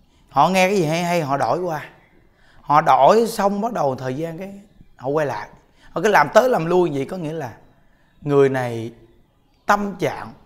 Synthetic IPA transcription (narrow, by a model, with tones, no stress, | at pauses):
hɔ̰˧˨ŋɛ˧kaː˨˦jzi˨˩ɦa˧jɦa˧jɦɔ̰˧˨ɗo˧˩jkwaː˧ | hɔ̰˧˨ɗo˧˩jsə˧wŋ͡mɓaː˦k̚ɗə˨˩wt̪ʰəː˨˩jzaː˧nkaː˨˦j | hɔ̰˧˨kwa˧jla̰ː˧˨j | hɔ̰˧˨kaː˨˦jlaː˨˩mt̪əː˨˦jlaː˨˩mlu˧ənvḭ˧˨jkɔ˨˦ŋḭ˧˥əlaː˨˩ | ŋɨ˨˩əjna˨˩j | t̪ə˧mt͡ɕa̰ː˧˨ŋ